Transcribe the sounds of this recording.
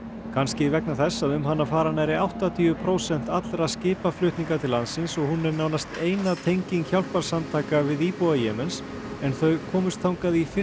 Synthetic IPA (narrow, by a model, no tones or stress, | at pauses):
kʰanscɪivɛknaθɛsːaðʏmɦanːafaːɾanaɾɪawht̪at̪ʰiːʏpʰɾowsɛn̥t̪at̪lɾaðscɪːpaflʏht̪niŋkaɾt̪ʰɪlːansɪnsɔɣhunːɛɾnaːwnast̪eːjnat̪ʰejɲciŋkçawl̥paɾ̥samt̪ʰaːkavɪðiːpowajɛːmɛns | ɛnθœɥɣkʰɔːmʏst̪θʰawŋkaðifɪ